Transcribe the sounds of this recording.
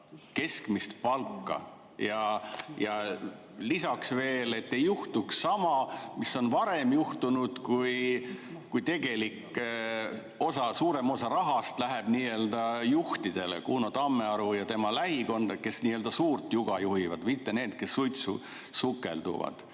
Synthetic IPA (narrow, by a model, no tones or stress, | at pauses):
ke̞skmist̪pɑlkːɑ̰ | jɑjɑ | lisɑksve̞ːle̞t̪ːe̞juht̪uksːɑmɑmisːo̞nvɑɾe̞mjuht̪unud̪̥kuj | kujt̪e̞ɡ̥e̞likˑː | o̞sɑsuːɾe̞mo̞sɑɾɑɦɑst̪læɦeb̥niːø̞ld̪̥ɑjuht̪id̪̥e̞lḛkuːnot̪ɑmːe̞ɑɾujɑt̪e̞mɑlæɦiko̞nd̪̥ɑke̞sniːøld̪ɑsuːrt̪juɡ̥ɑjuɦivɑd̪̥mit̪ːe̞ne̞ːd̪̥ke̞sːujt̪sṵ | sukːˑe̞̰ld̪ṵvɑ̰d̪̥